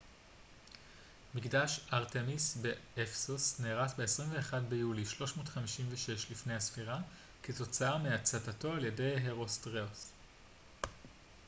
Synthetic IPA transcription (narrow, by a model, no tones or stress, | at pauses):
miɡdaʃaʁtemisbeefsusneːʁatbe̞esʁimve̞ːχadbejuliʃlo̞ʃmo̞ːtχamiʃimveʃe̞ʃlifne̞jhasfiʁa | keto̞t͡saameat͡satato̞alje̞de̞jɦeʁo̞stʁeos